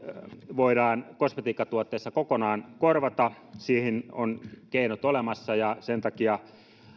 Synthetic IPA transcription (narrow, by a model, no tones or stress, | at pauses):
ʋoiɾɑːnkosmet̪iːkːɑt̪uot̪ːeːsːɑkokonɑːnkorʋɑt̪ɑ | siːhinonkeinot̪olemɑsːɑjɑsent̪ɑkiɑ